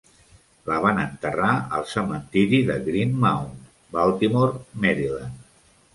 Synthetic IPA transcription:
ləβ̞anənt̪əraəlˠsəmənt̪iɾiðəɣɾinmawn | balˠt̪imoɾmɛɾilan

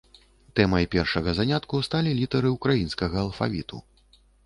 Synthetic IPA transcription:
t̪ɛmɐjpʲɛrʂɐɣɐzanʲat̪kust̪alʲilʲit̪ɐɾɨukɾajinskɐɣɐːlˠfa̰vʲḭt̪ṵ

